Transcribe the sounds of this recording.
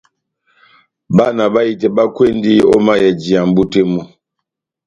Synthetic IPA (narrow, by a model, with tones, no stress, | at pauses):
ba˦na˨ba˦ji˦tɛ˨ba˦kwe˦ndi˦ɔ̰˦ma˦jɛ˨d͡ʒi˨a˨m˦bu˦te˦mu˦